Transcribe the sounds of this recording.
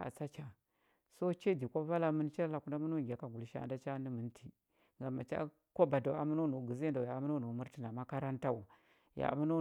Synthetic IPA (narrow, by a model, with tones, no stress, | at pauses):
a̰˨t͡sa˦t͡ʃa˨ | so˦t͡ʃe˦di˨kʷo˦va˦la˦mə˦n˦t͡ʃa˦la˨ku˦nda˦mu˦no˦˨ɡʲa˨ka˨ɡu˨lʃa̰˦˨nda˦t͡ʃa˦ni˦mə˨n˦tʰi˨ | ŋɡa˨ma˨t͡ʃa̰˦ | ko˦ba˨da˨a̰˨˦mu˦no˦nu˨ɡə˨ze˦da˨ja˨˦mu˦no˦˨nu˨˦mu˦ɾti˦na˨ma˦ka˦ɾa˦nta˦u˨ | ja̰˨mu˦no˦